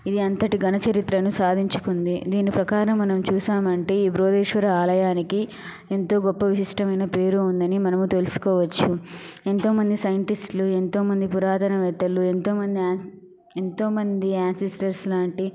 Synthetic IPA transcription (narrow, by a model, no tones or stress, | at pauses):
id̪iɐnt̪ɐʈiɡʱɐnɐt͡ʃɐɾit̪ɾɐnusaːd̪ʱiɲt͡ʃu̥kund̪id̪iːnːipɾɐkaːɾɐmːɐnɐmt͡ʃuːsaːmɐɳʈe̞ːiːbɾoːd̪iːʂʋɐɾɐaːlɐjaːniki | e̞nt̪o̞ːɡɔpːɐʋisiʂʈɐmɐjnɐpe̞ːɾuːnd̪ɐnimɐnɐmut̪e̞lusu̥kɔːʋɐt͡ʃːue̞nt̪o̞ːmɐnd̪isɐjɐɳʈisʈluent̪o̞ːmɐnd̪ipuɾaːt̪ɐnɐʋɛːt̪ɐlue̞nt̪o̞ːmɐnd̪iaː | e̞nt̪o̞ːmɐnd̪iaːnsisʈɐɾslaːɳʈi